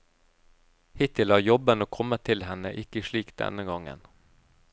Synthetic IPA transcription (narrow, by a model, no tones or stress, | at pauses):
hɪt̪ɪlhɑːɾjɔbənoːkʰɔmːət̪ʰːɪlɦɛnəʔɪkəʂɭiːkd̪ɛ̰nəɡɑŋːə̰n